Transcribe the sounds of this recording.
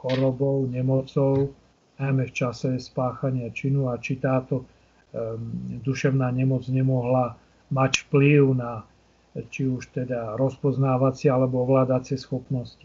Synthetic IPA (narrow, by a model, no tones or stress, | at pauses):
xɔɾɔbɔʊɲɛmɔt͡sɔʊ | najmɛft͡ʃasɛspaːxaɲɪat͡ʃinuat͡ʃit̪aːt̪ɔ | d̪uʃɛʊnaːɲɛmɔd͡zɲɛmɔɦla | macfpliʊna | t͡ʃiuʃt̪ɛd̪aɾɔspɔznaːʋat͡sɪɛalɛbɔɔʋlaːd̪at͡sɪɛsxɔpnɔsci̥